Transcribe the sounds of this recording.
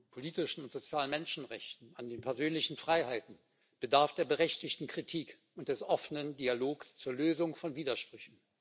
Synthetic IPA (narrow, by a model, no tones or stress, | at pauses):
pʰoliːtɪʃn̩ʊntz̥ot͡sjaːlənmɛnʃn̩ʁɛ̰çtn̩andeːnpʰɛɐzøːnlɪçn̩fʁ̥aɪhaɪtn̩ | b̥ədaɐfd̥eːɐbəʁɛçtɪçtn̩kʁ̥itʰiːk | ʊntd̥ɛsʔɔfənəndialoːkst͡suːɐløːzʊŋfɔnviːdɐʃpʁ̥ʏçn̩